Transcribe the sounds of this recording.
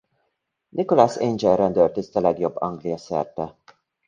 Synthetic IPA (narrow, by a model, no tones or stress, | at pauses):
nʔikolasend͡ʒɛlɾɛnd̪ørt̪ist̪ɒlɛɡjo̞bːɒŋɡlijɒsɛ̰rt̪ɛ